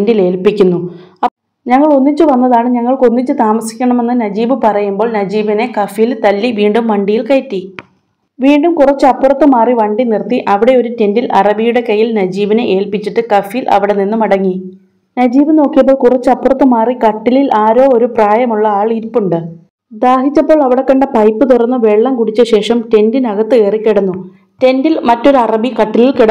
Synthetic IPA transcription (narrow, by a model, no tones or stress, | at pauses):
ndile̞ːlpikʲːunːuɐ | ɲɐŋːɐɭo̞nːit͡ɕːɨʋɐnːɐðaːɳɨɲɐŋːɐɭko̞nːit͡ɕːɨt̪aːmɐsi̥kʲːɐɳɐme̞nːɨnɐd͡ʑiːbɨpɐrɐjumbo̞ːɭnɐd͡ʑiːbɐne̞kɐfijilt̪ɐlːiʋiːɳɖumʋɐɳɖijilkɐjtːi | ʋiːɳɖumkurɐt͡ɕːɨɐpːurɐt̪ːɨmaːriʋɐɳɖinirt̪iʔɐʋiɽe̞o̞ɾute̞ndilɐrɐbijuɽe̞kɐjːilnɐd͡ʑiːbɐne̞ʔeːlpit͡ɕːiʈːɨkɐfijilʔɐ̰ʋiɽe̞ninːumɐɽɐŋːi | nɐd͡ʑiːʋɨno̞ːkːijɐp̬ːoːɭkurɐt͡ɕːɨɐpːurɐt̪ːɨmaːrikɐʈːililʔaːɾo̞ːoɾupraːjɐmuɭːɐaːɭiɾipːuɳɖɨ | d̪aːɦit͡ɕːɐpːo̞ːɭɐʋiɽe̞kːɐɳɖɐpɐjpːɨt̪̬urɐnːɨʋe̞ɭːɐmkuɽit͡ɕːɐɕe̞ːʂɐmte̞ndinɐɣɐt̪ːɨe̞ːrikʲːiɽɐnːu | te̞ndilmɐtːo̞ɾuɐrɐbikɐʈːililkiɽɐ